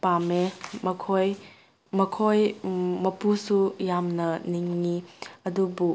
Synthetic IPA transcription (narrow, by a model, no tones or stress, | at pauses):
pamemɐkʰoj | mɐkʰojmɐpusujamnɐniŋːiɐdubu